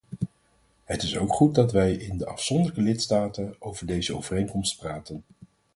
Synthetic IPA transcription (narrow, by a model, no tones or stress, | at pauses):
ɦətɪsowkχut̚dɑtʋɛjʔɪndəʔɑfsɔndələkəlɪtstaːtənowvəɹdejzəo̰wvərejŋkɔmstpraːtən